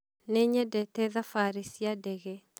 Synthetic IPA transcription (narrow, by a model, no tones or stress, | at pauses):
neɲɛdɛtɛðafaɾisiadɛɣɛ